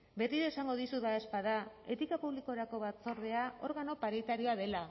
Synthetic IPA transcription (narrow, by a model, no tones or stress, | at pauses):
be̞riɾesaŋɡo̞ðisuðaespaða | e̞t̪ikapuβliko̞ɾako̞βat͡so̞ɾð̞e̞ao̞ɾɣano̞paɾit̪aɾio̞aðe̞la